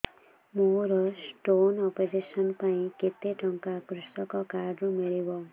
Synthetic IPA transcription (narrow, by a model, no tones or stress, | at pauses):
moɾɔsʈonɔpod͡ʒisɔnpaĩket̪eʈɔŋkakɾusʈɔkɔkaɾɖɾumiɭibɔ